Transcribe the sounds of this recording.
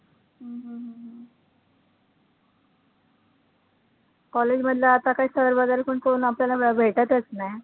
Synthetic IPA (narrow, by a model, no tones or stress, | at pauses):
ɦəɦə̃ɦəɦ | kɔled͡ʑməd̪ʱlaːt̪akaɦiːsəəɾbad̪aɾepəɳkonapljalabʱeʈat̪ət͡snaj